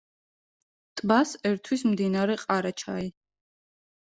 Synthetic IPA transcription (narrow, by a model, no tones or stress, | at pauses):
t̪ʼbasɛɾt̪ʰwismd̪inaɾɛqʼaɾat͡ʃʰa̰i